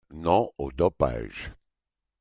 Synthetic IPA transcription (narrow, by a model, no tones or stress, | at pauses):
nɔ̃od̪ɔpa̰ʒ